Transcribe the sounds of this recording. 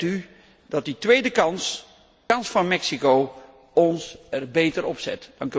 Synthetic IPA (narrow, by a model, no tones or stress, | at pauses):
ty | dɑtditʋejdəkɑs | kɑnsfɑnmɛksikow | ɔnsɛrbejtəɾɔpsɛ̰td̥ɑŋk